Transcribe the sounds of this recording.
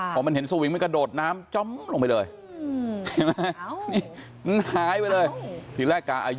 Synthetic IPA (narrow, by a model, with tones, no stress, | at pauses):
pʰɔː˨˩ma˧nhe˩˦nsa˧wi˨˦ŋm˧nka˧doː˨˩t̪̚naː˦˥mt͡ɕɔ˥˩mlo˧ŋpa˧jlɤː˧j | ma˦˥˦niː˥˩ | ma˧nhaː˨˩˦jpa˧jlɤː˧jt̪ʰiː˨˦lɛː˥˩kːaː˧˩ʔa̰ː˧j